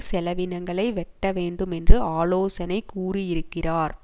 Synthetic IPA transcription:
sɛlɐʋɪnɐŋɡɐɭɐɪʋɛʈːɐʋeːɳɖɯmɛndrɯaːloːsɐnɐɪkːuːrijɪɾɯkːɪraːɾ

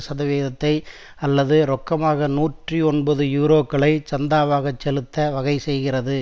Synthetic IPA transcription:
sɐðɐʋeːðɐt̪ːɐɪ | ɐlːɐðɯɾɔkːɐmaːɣɐnuːʈriɔɳbɐðɯjuːɾoːkːɐɭɐɪt͡ʃɐnd̪aːʋaːɣɐt͡ʃːɛlɯt̪ːɐʋɐɣɐɪsɛjɣɪrɐðɯ

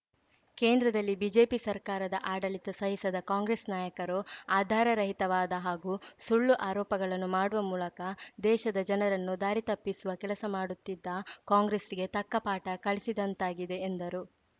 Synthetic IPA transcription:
keːnd̪ɾɐd̪ɐlːibiːd͡ʒe̞ːpisɐɾkaːɾɐd̪ɐʔaːɽɐlit̪ɐsɐɦisɐd̪ɐkaːŋɡɾesnaːjɐkɐɾuaːd̪ʱaːɾɐɾɐɦit̪ɐʋaːd̪ɐɦaːɡusuɭːuʔaːɾɔːpɐɡɐɭɐnːumaːɽuʋɐmuːlɐkɐd̪ɛːʃɐd̪ɐd͡ʒɐnɐɾɐnːud̪aːɾit̪ɐpːisuʋɐkɛlɐsɐmaːɽut̪ːid̪ːɐkaːŋɡɾesiɡe̞t̪ɐkːɐpaːʈɐkɐɭisid̪ɐnt̪aːɡid̪e̞ːnd̪ɐɾu

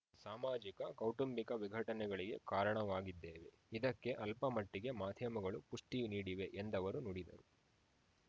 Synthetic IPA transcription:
saːmaːd͡ʒikɐkɐwʈumbikɐʋiɡʱɐʈɐnɛɡɐɭiɡe̞̰kaːɾɐɳɐʋaːɡid̪ːeːʋe̞ | id̪ɐkːe̞ʔɐlpɐmɐʈːiɡe̞maːd̪ʱjɐmɐɡɐɭupuʂʈiniːɽiʋe̞ʔend̪ɐʋɐɾunoːɽid̪ɐ̰ɾu

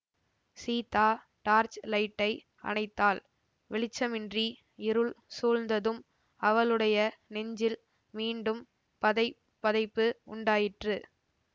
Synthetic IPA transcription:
siːt̪aː | ʈaːɾt͡ʃlɐɪʈːɐɪ | ɐ̰nɐɪt̪ːaːl | ʋɛɭɪt͡ʃːɐmɪndri | ɪɾɯɭsuːlnd̪ɐðɯm | ɐʋɐlɯɽɐjɐnɛɲd͡ʒɪl | miːɳɖɯm | pɐðɐɪ | pːɐðɐɪpːɯʊɳɖaːjɪʈrɯ

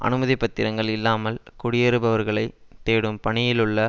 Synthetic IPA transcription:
ʔɐ̰nɯmɐðipːɐt̪ːɪɾɐŋɡɐɭɪlːaːmɐlkʊɽɪjɛɾɯbɐʋɐɾɣɐɭɐɪt̪ːeːɽɯmpɐɳɪjɪlɯɭːɐ

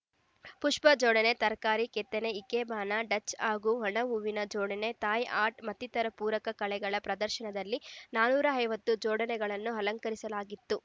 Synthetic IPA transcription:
puʂpɐd͡ʒɔːɽɐne̞t̪ɐɾkaːɾikɛt̪ːeneikebaːnɐɖɐt͡ʃːaːɡuɦɐɳɐuːʋinɐd͡ʒɔːɽɐne̞t̪aːjʔaːɾʈmɐt̪ːit̪ɐɾɐpuːɾɐkɐkɐɭɛɡɐɭɐpɾɐd̪ɐɾʃɐnɐd̪ɐlːinaːnuːɾɐɦɐjʋɐt̪ːud͡ʒɔːɽɐnɛɡɐɭɐnːuɦɐlɐŋkɐɾisɐlaːɡit̪ːu

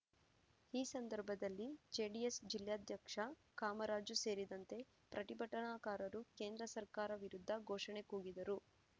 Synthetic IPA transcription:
iːsɐnd̪ɐɾbʱɐd̪ɐlːid͡ʒeːɖiesd͡ʒiljaːd̪ʱjɐkʂɐ | kaːmɐɾaːd͡ʒuse̞ːɾid̪ɐnt̪e̞ | pɾʔɐt̪ibʱɐʈɐɳaːkaːɾɐɾuke̞ːnd̪ɾɐsɐɾkaːɾɐʋiɾud̪ʱːɐɡʱoːʂɐɳe̞kuːɡid̪ɐɾu

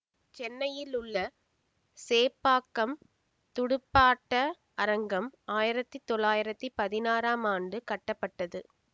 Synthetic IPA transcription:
t͡ʃɛnːɐjɪlʊɭːɐ | seːpːaːkːɐm | t̪ʊɽʊpːaːʈːɐ | ɐɾɐŋɡɐmaːjɪɾɐt̪ːɯt̪ɔɭːaːjɪɾɐt̪ːipɐðɪnaːɾaːmaːnɖɯkɐʈːɐpːɐʈːɐðɯ

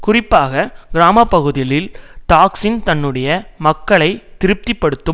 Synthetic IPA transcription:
kʊrɪpːaːɣɐɡɪɾaːmɐpːɐɣɯðɪlɪlʈaːksɪnt̪ɐnːɯɽɐjɐmɐkːɐɭɐɪt̪ɪɾɯp̚t̪ipːɐɽɯt̪ːɯ

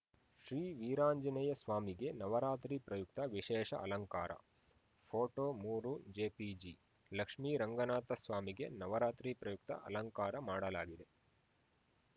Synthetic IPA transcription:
ʃɾiːʋiːɾaːɲd͡ʒɐnɐjɐsʋaːmiɡe̞nɐʋɐɾaːt̪ɾiːpɾɐjuk̚t̪ɐʋiʃɛːʂɐ̰ɐ̰lɐŋkaːɾʔɐ̰ | pʰoːʈoːmuːɾud͡ʒeːpid͡ʒi | lɐkʂmiːɾɐŋɡɐnaːt̪ɐsʋaːmiɡe̞nɐʋɐɾaːt̪ɾipɾɐjuk̚t̪ɐ̰ʔɐ̰lɐŋkaːɾɐmaːɽɐla̰ːɡid̪e̞

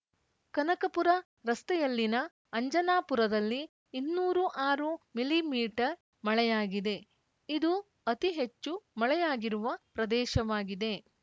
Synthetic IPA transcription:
kɐnɐkɐpuɾɐ | ɾɐst̪ɛjɐlːinɐː | ɲd͡ʒɐnaːpuɾɐd̪ɐlːiː | nːuːɾuʔaːɾumilimiːʈɐɾ | mɐɭɛjaːɡid̪e̞ | id̪u | ɐt̪iɦet͡ʃːumɐɭɛjaːɡiɾuʋɐpɾɐd̪ɛːʃɐʋaːɡid̪e̞

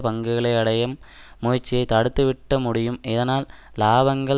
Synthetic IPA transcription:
pɐŋɡɯɣɐɭɐɪɐɽɐjɐmːoːjɪt͡ʃːɪjɐɪt̪ːɐɽɯt̪ːɯʋɪʈːɐmʊɽɪjɯmɪðɐnaːllaːbɐŋɡɐɭ

